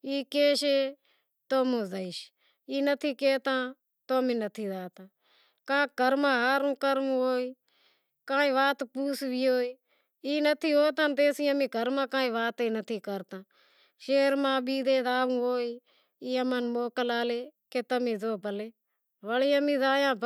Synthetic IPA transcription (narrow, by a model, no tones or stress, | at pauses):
iːkeːʃeː | t̪oːmõːzəiʃ | iːnət̪ʰiːkeːt̪ãː | t̪oːmĩːnət̪ʰiːd̪aːt̪ãː | kãːɡʱəɾmãːɦaːɾũːkəɾʋũːɦoːiː | kãːĩːʋaːt̪puːsbiːoːiː | iːnət̪ʰiːɦoːt̪ãːnt̪eːsiːãːmĩːɡʱəɾmãːkãːĩːʋaːt̪eːnət̪ʰiːkəɾt̪ãː | ʃeːɾmãːɓiːd̪eːd̪aːʋũːɦoːiː | iːəmənmoːkəlaːleːkeːt̪əmĩːzoːbəleː | ʋəliːãːmĩːzaːjãːb